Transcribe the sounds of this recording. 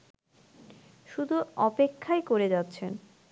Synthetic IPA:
ʃud̪ʱuɔpekʰːaekoɾed͡ʑatːɕʰen

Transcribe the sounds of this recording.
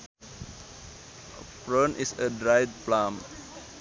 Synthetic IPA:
pɹõnʔisədɹajd̚plãm

